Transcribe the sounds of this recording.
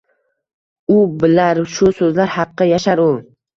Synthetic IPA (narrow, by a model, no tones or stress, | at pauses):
ʊbɪlaɾʃʊsɵzlaɾhɑqːɑjaʃaɾʊ